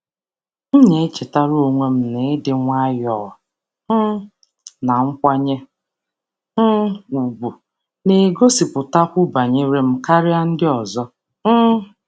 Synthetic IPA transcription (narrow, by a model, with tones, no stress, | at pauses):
n̩˦ɲe˨˦t͡ʃe˨ta˦ɾo˨ŋʷe˦m̩˦ne˨˦dɪ˨˦ŋʷa˦jɔ˦˨ɔ˨˦ | na˨ŋ̩˦kʷa˦ɲe˦ | u˨bu˨ | ne˨ɡo˦si˨pʊ˨ta˦kʷʊ˦ba˨ɲe˦ɾe˦m̩˦ka˦ɾɪ˦a˦n̩˦dɪ˦ɔ˨zɔ˦